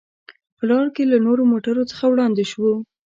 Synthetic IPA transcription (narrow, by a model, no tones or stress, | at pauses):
pəlɑɽkelanoɾomoʈaɾot͡sə̥xawɽɑnd̪eʃwo